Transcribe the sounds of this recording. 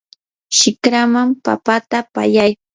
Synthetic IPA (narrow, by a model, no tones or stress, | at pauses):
ʃɪkɾamampa̰pat̪apa̰jaj